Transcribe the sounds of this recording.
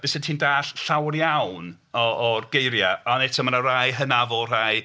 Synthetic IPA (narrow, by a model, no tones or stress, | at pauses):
bɪsəntʰiːndaːɬɬawrjawn | ɔʔɔrɡejɾjaɔnɛtʰɔmanarajɦənavor̥aj